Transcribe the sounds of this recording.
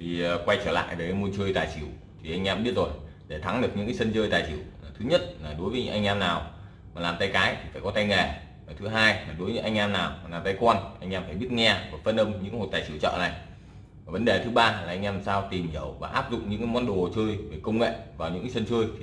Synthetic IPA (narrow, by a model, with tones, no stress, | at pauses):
t̪ʰi˨˩˨kwa˧jt͡ɕəː˧˩la̰ː˧˨jve˨˩a˨˦mu˧nt͡ɕəː˧jt̪aː˨˩jt͡ɕi˧˩əw | t̪ʰi˨˩ʔa˧ŋ̟ʔɛː˧mɓi˦˥ət̚zo˨˩jɗe˧˩t̪ʰa˨˦ŋɗɨ˨˩ək̚ɲɨ̰˧˥ka˨˦sə˧nt͡ɕəː˧jt̪aː˨˩jt͡ɕi˧˩əwa˨˩t̪ʰɨ˨˦ɲə˦˥t̚laː˨˩ɗo˨˦jvə˨˦ɲɨ̰˧˥ŋʔa˧ŋ̟ʔɛː˧mnaː˨˩w | maː˨˩laː˨˩mt̪a˧jkaː˨˦jt̪i˨˩faː˧˩jkɔ˨˦t̪a˧jŋe˧˩ | maː˨˩t̪ʰɨ˨˦ɦaː˧jmaː˨˩ɗo˨˦jvə̰˧˥ʔa˧ŋ̟ʔɛː˧mnaː˨˩wmaː˨˩laː˨˩mt̪a˧˦jkwaː˧nʔa˧jŋ̟ʔɛː˧mfaː˧˩jɓi˦˥t̚ŋɛ˧vaː˨˩fə˧nʔə˧wmɲɨ̰˧˥ŋho̰˧˨jt̪aː˨˩t͡ɕi˧˩əwt͡ɕə̰ː˧˨na˨˩j | aː˨˩və˨˦nɗe˨˩t̪ʰɨ˨˦ɓaː˧laː˨˩ʔa˧jŋ̟ʔɛ˧m˨saː˧wt̪i˨˩mzi˨˧˦wvaː˨˩ʔaː˦˥p̚zʊ̰˧˨k͡pŋ͡m̚ɲɨ̰˧˥ŋkːjmɔ˨˦nɗo˨˩t͡ɕəː˧jve˨˩kə˧wŋ͡mŋḛ˧˨vaː˨˩wɲɨ̰˧˥ŋkːsə˧nt͡ɕəː˧jt̪ʰi˨˩